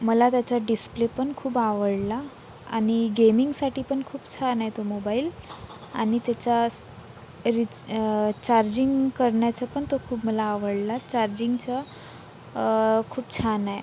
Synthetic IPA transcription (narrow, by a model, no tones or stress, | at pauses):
məlat̪jat͡ɕaɖisplepəɳkʰuːbaʋəɽla | a̰ɽ̃iɡemiŋɡsaʈiːpəɳkʰuːpt͡ɕʰanajt̪omobaiːl | a̰ɽ̃it̪jat͡ɕa | ɾi | t͡ɕaɾd͡ʑiŋɡkəɾɳjat͡ɕapəɳt̪okʰuːpməlaːʋəɽlat͡ɕaɾd͡ʑiŋɡt͡ɕa | kʰuːpt͡ɕʰanaj